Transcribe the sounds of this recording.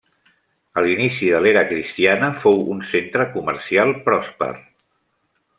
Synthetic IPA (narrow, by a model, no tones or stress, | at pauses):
əlinisiðəleɾəkɾist̪ianəfowunsent̪ɾəkumə̰ɾsialˠpɾɔspə̰r